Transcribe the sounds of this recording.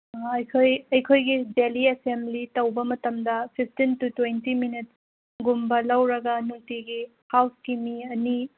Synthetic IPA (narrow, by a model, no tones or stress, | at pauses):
ɐjkʰojɐjkʰojɡideliesemblitɐwbɐmɐtɐmdɐpʰip̚ʰtintutwejntiminit̚ | ɡumbɐlɐwɾɐɡɐnutiɡi | hawsɡ̥imiɐni